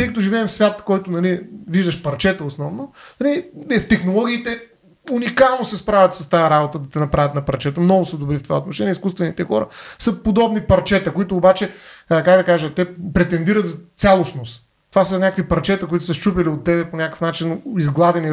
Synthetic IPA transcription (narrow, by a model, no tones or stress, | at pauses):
ikɐt̪oʒivɛːmfsvʲat̪kɔjt̪ʊnɐliviʒd̪əʃpɐɾt͡ʃɛt̪əosnɔvnonɐliɛft̪ɛxnolˠɔɡʲiːt̪ɛ | unʲikalˠnosɛspɾavʲət̪sɐst̪ajɐɾabot̪əd̪ɐt̪ɛnɐpɾavʲɐt̪nɐpɐɾt͡ʃɛt̪əmnɔɡʊsəd̪obɾift̪ova̰ot̪noʃɛniɛiskust̪vɛnit̪ɛxɔ̰ɾə̰sɐpod̪ɔbnipɐɾt͡ʃɛt̪əkoit̪ʊːbat͡ʃɛkaɡd̪ɐkaʒət̪ːɛpɾɛt̪ɛnd̪iɾɐt̪zɐt̪sʲalˠosnos | t̪ovasənʲakəkvipɐɾt͡ʃɛt̪ɐkʊit̪ʊ̥sɐst͡ʃupiliot̪ːɛbɛponʲakə̥fnat͡ʃinizɡlˠad̪ɛni